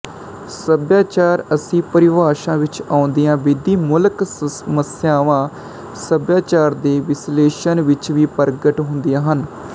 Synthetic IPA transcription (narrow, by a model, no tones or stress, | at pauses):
səbjaːt͡ʃaːɾəsĩːpəɾɪʋaːʃãːʋɪt͡ʃaːʊ̃nd̪ijãːʋɪd̪iːmʊlksəməsɪjaːʋãː | səbjaːt͡ʃaːɾd̪eːʋɪsleːʃənʋɪt͡ʃʋiːpəɾɡəʈɦʊnd̪ijãːɦən